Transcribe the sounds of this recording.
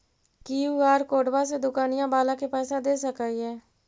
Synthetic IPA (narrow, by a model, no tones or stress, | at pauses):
kiːuɡaːɾkoːɖbaːsed̪ʊkaːnijãːbaːlãːkepɛːsad̪eːsəkaiɛː